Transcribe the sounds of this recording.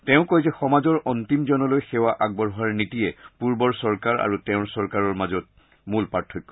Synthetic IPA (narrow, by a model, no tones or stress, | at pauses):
tɛʊ̃kojzɛxɔmazɔɹʔɔntimzɔnɔlojxɛwaʔaɡ̚bɔɹɦɔaɹnitiɛpuɹbɔɹsɔɹkaɹa̰ɹutɛʊ̃ɹsɔɹkaɹɔɹmazɔt̚ | mulpaɹtʰɔkːɔ